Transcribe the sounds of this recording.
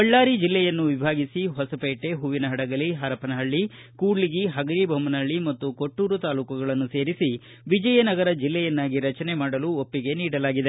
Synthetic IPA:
ɐɭːaːɾid͡ʒilːɛjɐnːuʋibʱaːɡisiɦɔsɐpeːʈeɦuʋinɐɦɐɽɐɡɐliɦɐɾɐpɐnɐɦɐɭːikuːɽliɡiɦɐɡɐɾibʱɐmɐnɐɭːimɐt̪ːukoʈːuːɾut̪aːluːkɐɡɐɭɐnːuse̞ːɾisi | ʋid͡ʒɐjɐnɐɡɐɾɐd͡ʒilːɛjɐnːaːɡiɾɐt͡ʃɐnemaːɽɐluːopːiɡe̞niːɽɐlaːɡid̪e̞

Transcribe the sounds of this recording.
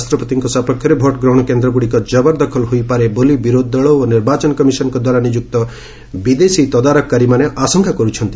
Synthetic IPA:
ast̪ɾɔpɔt̪iŋkɔsapɔkʰjɔɾebʱɔʈɡɾawɽ̃ɔkend̪ɾɔbuɽikɔd͡ʒɔbɔɾd̪ɔkʰɔlɦojpaɾebolibiɾod̪ːɔɭɔoniɾbat͡ʃɔnɔkɔmisɔnɔkɔd̪waɾanid͡ʒuk̚t̪ɔ | bid̪esit̪ɔd̪aɾɔkːaɾimaneʔasɔŋkʰakɔɾut͡ʃʰɔnt̪i

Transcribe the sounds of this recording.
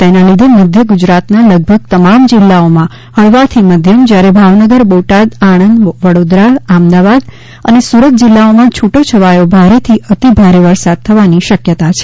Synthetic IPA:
t̪enalid̪ʱeməd̪ʱjəɡud͡ʒɾat̪naləɡ̚bʱəɡ̚t̪əmamd͡ʒɪlːaomã | həɭʋat̪ʰiməd̪ʱjəmd͡ʒjaɾebʱaʋnəɡəɾboʈad̪aɽ̃ənd̪ʋəɽod̪ɾaamd̪aʋad̪ | ə̰nesuɾət̪̚d͡ʒɪlːaomãt͡ʃʰuʈot͡ʃʰəʋajobʱaɾet̪ʰiʔət̪ibʱaɾeʋəɾsad̪̚t̪ʰːəʋaniʃəkjət̪at͡ʃʰe̥

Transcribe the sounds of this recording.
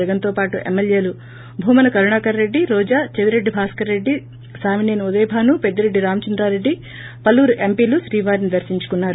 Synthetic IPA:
ɐɡɐnt̪o̞ːpaːʈuʔemːelje̞ːlu | bʱuːmɐnɐkɐɾuɳaːkɐɾɾe̞ɖːiɾɔːd͡ʒaːt͡ʃeʋiɾe̞ɖːibʱaːskɐɾe̞ɖːi | saːmineːnud̪ɛːbʱaːnuped̪ːuɾe̞ɖːiɾaːmɐt͡ʃɐnd̪ɾaːɾe̞ɖːi | pɐlːuːɾuʔe̞mpiːluʃɾiːʋaːɾnid̪ɐɾsiɲt͡ʃu̥kunːaːɾu

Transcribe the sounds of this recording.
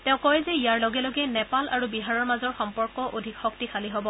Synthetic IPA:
tɛ̃ʊ̃kɔjɛzɛijaɹloɡɛloɡɛnɛpalaɹubiɦaɹɔɹmazɔɹxɔmpɔɹkɔʔodʱikxɔktikʰaliɦobɔ

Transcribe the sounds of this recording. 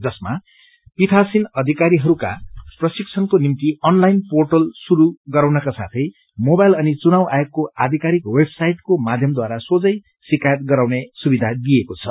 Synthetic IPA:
d͡zʌsma | pit̪ʰasinʌd̪ʱikaɾiɦʌɾuka̰prʌsikt͡sʰʌnkonimt̪iʌnlajnporʈʌlsuɾuɡʌɾawnʌkasa̰t̪ʰʌj | mobajlʌnit͡sunawʔajokːoad̪ʱikaɾikwebsajʈkomad̪ʱjʌmd̪waɾasod͡zʌj | sikajʌt̪̚ɡʌɾawnesubid̪ʱad̪ijekot͡sʰʌ

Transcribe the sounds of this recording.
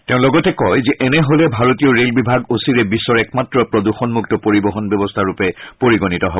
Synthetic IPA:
teʊ̃lɔɡɔtɛkɔjzɛʔɛnɛɦolɛbʱaɹotiɔɹelbibʱaɡosiɹɛbisːɔɹɛk̚matɹɔpɹɔduxɔnmuktɔpoɹibɔɦɔnbjɔbɔstʰaɹupɛpoɹiɡɔnitɔɦɔbɔ

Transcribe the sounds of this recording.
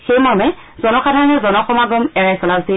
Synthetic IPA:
xejmaɹmɛ | z̥ɔnɔxadʱaɹɔnɔzɔnɔxɔmaɡɔmɛɹajsɔlazi

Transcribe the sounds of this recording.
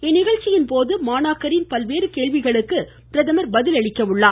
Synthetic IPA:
ɛnːɪɣɐɻt͡ʃːɪjɪnpoːðɯmaːnaːkɐɾɪnpɐlʋeːɾɯkeːɭʋɪɣɐɭɯkːɯ | pɪɾɐðɐmɐɾbɐðɪlɐɭɪkːɐʋɯɭːaː

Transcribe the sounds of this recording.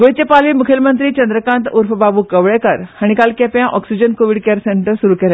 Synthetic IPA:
ɡojt͡ɕepalʋiːmukʰelmənt̪ɾiːt͡ɕənd̪ɾəkãnt̪uɾfbabuːkəʋɭekəɾhaɽ̃ikalkɛpjãʔɔksid͡ʑənkoʋiɽkeɾseɳʈəɾsuɾuːkeɾa

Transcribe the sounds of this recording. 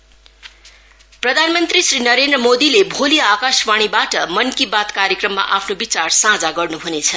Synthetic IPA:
prʌd̪ʱanmʌnt̪risrinʌɾend̪rʌmod̪ilebʱolijakaswaɽ̃ibaʈʌmʌnkibat̪kaɾjekrʌmːa̰ʔapʰnobit͡sarsãd͡zaɡʌrnuɦunet͡sʰʌ

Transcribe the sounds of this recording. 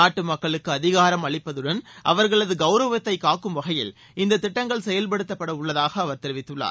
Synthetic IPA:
aːʈːɯmɐkːɐɭɯkːɯɐðɪɣaːɾɐmɐɭɪpːɐðɯɽɐnʔɐ̰ʋɐɾɣɐɭɐðɯɡɐʊɾɐʋɐt̪ːɐɪkaːkɯmʋɐɣɐjɪ̰l | ɪnd̪ɐt̪ːɪʈːɐŋɡɐɭsɛjɐlpɐɽɯt̪ːɐpːɐɽɐʊɭːɐðaːɣɐːʋɐɾt̪ɪɾɪʋɪt̪ːɯɭːa̰ːɾ

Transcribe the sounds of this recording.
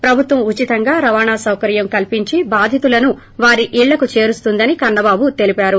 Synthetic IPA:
pɾɐbʱut̪ʋɐmut͡ʃit̪ɐŋɡaːɾɐʋaːɳaːsɐwkɐɾjɐmkɐlpiɲt͡ʃibaːd̪ʱit̪ulɐnu | ʋaːɾiʔiːɭːɐkut͡ʃe̞ːɾust̪und̪ɐnikɐɾɳːɐbaːbut̪e̞lipaːɾu

